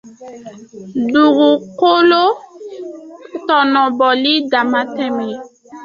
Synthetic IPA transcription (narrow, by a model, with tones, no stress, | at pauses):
du˨ɡu˨ko˦lo˦ | tɔ˨nɔ˨bɔ˨li˦da˨ma˦tɛ˦mi˨